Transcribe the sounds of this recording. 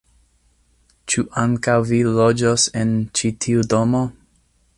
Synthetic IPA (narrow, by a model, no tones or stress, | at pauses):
t͡ʃuʔaŋkawvilod͡ʒosent͡ʃitʰiudomo